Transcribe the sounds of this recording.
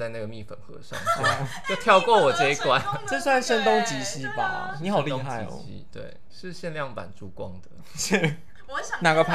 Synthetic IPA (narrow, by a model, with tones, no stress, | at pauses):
t͡sa˥˧ɪna˥˩ɡə˩mi˥˩fə˨˩nxɤ̰˧˦ʂɑ̰˥˨˩ŋ˥˩t͡ɕo˥˧ʊt̪ʰjɑ˥˧ʊkwɔ˥˩wɔ˨˩ʈ͡ʂɤ˥˧i˥˩kwa˦nʈ͡ʂə˥˧swa˥˩nʂə˥nt̪o˥ŋt͡ɕi˧˥ɕi˦˥ba̰˨ni˨˥ɑ˧˨˩liõ˥˧a˥˩i˧ɕḭ˧˥t̪wḛ˥˩ɪ | ʂɻ̩˥˧ɕjɛ˥˧nljɑ˥˩ŋpa̰˨˩nʈ͡ʂu˥˩kwɑ˦˥ŋd̪ə˨ | ʂ̩˥˩ | wɔ˧˦ɕna˨˩ɡə˨pʰ